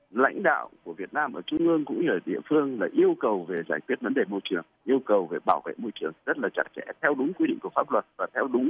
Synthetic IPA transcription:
la̰˧˥jŋ̟ɗa̰ː˧˨wku˧˩əvi˨˩ət̚naː˧mʔəː˧˩t͡ɕʊ˧ŋ͡mʔɨ˧əŋkʊ̰˧˥ŋ͡mɲəː˧˩ɗḭ˧˨əfɨ˧əŋlaː˨˩ʔi˧əwkə˨˩wve˨˩zaː˧˩jkwi˦˥ət̚və˨˦nɗe˨˩mo˧jt͡ɕɨ˨˩əŋʔi˧əwkə˨˩wve˨˩ɓaː˧˩wvḛ˧˨jmo˧jt͡ɕɨ˨˩əŋzə˦˥t̚laː˨˩t͡ɕa̰˦˩t̚t͡ɕɛ̰˧˥t̪ʰɛ˧wɗʊ˨˦ŋ͡mkwi˧ɗḭ˧˨ŋku˧˩əfaː˦˥p̚lwə˨˩t̚vaː˨˩t̪ʰɛ˧wɗʊ˨˦ŋ͡m

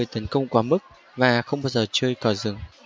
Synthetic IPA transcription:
jt̪ə˨˦nkə˧wŋ͡mkwaː˨˦mɨ˦˥k̚ | vaː˨˩xə˧wŋ͡mɓaː˧wzəː˨˩t͡ɕɨ˧əjkɔ˧˩zɨ˨˧˩ŋ

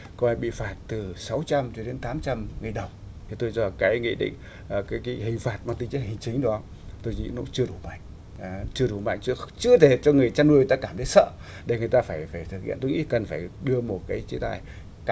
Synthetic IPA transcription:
ko˧aː˧jɓḭ˧˨faː˧˩t̚t̪ɨ˨˩sa˨˦wt͡ɕa˧mt͡ɕɔ˧ɗe˨˦nt̪aː˨˦mt͡ɕa˧mŋɨ˨˩ə˩ɗə˨˩wŋ͡m | t̪ʰi˨˩t̪o˧jt͡ɕɔ˧˩kaː˨˦jŋḭ˧˨ɗḭ̈˧˨ŋ̟ | ʔkaː˨˦jkaː˨˦jɦï˨˩ŋ̟faː˨˩t̚ma˨˩t̪ï˧ŋt͡ɕə˦˥hï˨˩ŋ̟t͡ɕï˨˦ŋ̟ɗŋ͡m | t̪o˧jɲḭ˧˥nṵ˧˥t͡ɕɨ˧əɗu˧˩ma̰˧˨ŋ̟ː˨ | t͡ɕɨ˧əɗu˧˩ma̰ː˧˨ŋt͡ɕt͡ɕɨ˧ət̪ʰe˧˩t͡ɕɔ˧ŋɨ˨˩əjt͡ɕaː˧nɗu˧ə˨˩t̪ːkaː˧˩mt̪ʰjsə̰ː˧˨ | ɗe˧˩ŋɨ˨˩əjt̪aː˧faː˧˩jfaː˧˩jt̪ʰɨ˨˩k̚hḭ˧˨nt̪o˧jŋḭ˧˥˨kə˨˩nfaː˧˩jɗɨ˧əmo˨˩t̚kaː˨˦jt͡ɕi˨˦t̪aː˧˩j | k

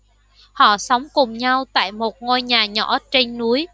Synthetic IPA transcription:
hɔ̰˧˨sa˨˦wŋ͡mkʊ˨˩ŋ͡mɲa˧wt̪a̰ː˧˨jmo˨˩t̚ŋo˧jɲaː˨˩ɲɔ̰˧˩˥t͡ɕe˧ŋnu˨˦əj

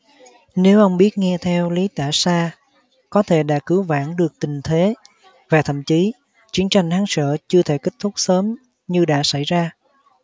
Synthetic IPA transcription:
ne˨˦wʔə˧wŋ͡mɓi˦˥ət̚ŋɛ˧t̪ʰɛ˧wli˨˦t̪a̰ː˧˩saː˧ | kɔ˨˦t̪ʰe˧˩ɗa̰ː˧˥kɨ˨˦wva̰ː˧˥nɗɨ˨˩ək̚t̪ï˨˩ŋ̟t̪ʰe˨˦ | vaː˨˩t̪ʰə̰˧˨mt͡ɕi˨˦ | t͡ɕi˨˦˥ənt͡ɕa˨˩jŋ̟haː˨˦ŋsə̰ː˧˨t͡ɕɨ˧ət̪ʰe˧˩ki˦˥k̚t̪ʰu˦˥k͡p̚səː˨˦m | ɲɨ˧ɗa̰ː˧˥sa˧˩jzaː˧

